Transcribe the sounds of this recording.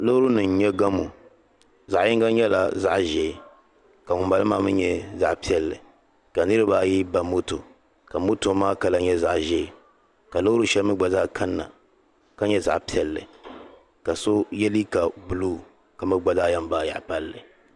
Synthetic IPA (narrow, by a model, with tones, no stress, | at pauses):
lo˦hɾu˦nɨ˨n̩˦ɲɛ˦ɡa˦mu˨ | za˨ʔjɪ˦ŋɡa˦ɲɛ˦la̰˨za̰˦ʔʒɛː˨ | ka˨mʊ˨mba˨lɨ˦maː˦mɨ˦ɲɛ˦za̰˨ʔpi˦ɛ˨lːɨ˨ | ka˨nɨ˦ɾɨ˦ba˦ji˦ba˨mo˦to˨ | ka˨mo˦to˨˦maː˦ka˦la˦ɲɛ˦za˨ʔʒɛː˦˨ | ka˨lo˦hɾu˦ʃɛ˦lmɨ˦ɡ͡ba˨za˦kʰa˦nːa̰˨ | ka˦ɲɛ˦za̰˨ʔpi˦ɛ˨lːɨ̰˨ | ka˨so˦jɛ˦li˦ka˨bu˨luː˦ | ka˨mɨ˦ɡ͡ba˨zaː˦ja˦m˦ba˦˨ja̰˨ʔpa˦lːɨ˨